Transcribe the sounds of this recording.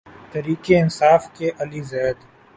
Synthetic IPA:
t̪ɐɾiːkeɪnsaːfkeʔɐlizɛːd̪

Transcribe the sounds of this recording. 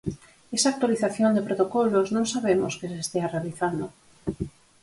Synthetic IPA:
esak̚t̪waliθaθjond̪epɾot̪okɔloznõŋsaβemo̰skɪsest̪earealiθand̪o

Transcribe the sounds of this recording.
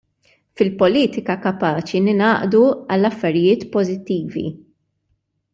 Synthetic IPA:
fɪlpɔliːt̪ɪkɐkɐpɐːt͡ʃinɪnɐːʔd̪uɐlːɐfːɐɾɪjɪːt̪pɔzɪt̪ːiːvḭ

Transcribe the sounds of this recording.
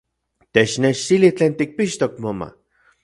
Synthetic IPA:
t̪et͡ʃneʃt̪ilit͡ɬeːnt̪ik̚piʃt̪ok̚moma̰

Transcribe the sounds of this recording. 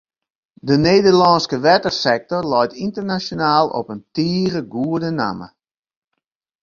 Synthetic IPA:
dəneːdərlɑnskəʋɛtərsɛk̚tɔrlɔjtʰintərnasjonaːlˠɔ̰pəntiːrəɡuədəna̰mə̰

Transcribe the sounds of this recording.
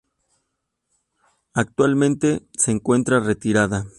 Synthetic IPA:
ak̚t̪walmẽ̞nt̪e̞se̞ːŋkwe̞nt̪ɾare̞t̪iɾaða

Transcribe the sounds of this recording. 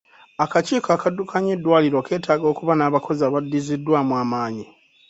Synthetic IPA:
akaciːkaːkadːukʰaɲedːwaːliɾo̞ke̞ːtaːɡo̞ːkuβanaːβako̞zaːβadːizidːwaːmwaːmaːɲi

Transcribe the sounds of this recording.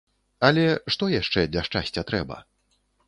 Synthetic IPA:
ɐlʲɛʂt̪ɔjaʂt͡ʂɛdlʲɐʂt͡ʂasʲt͡sʲɐt̪ɾɛbɐ̰

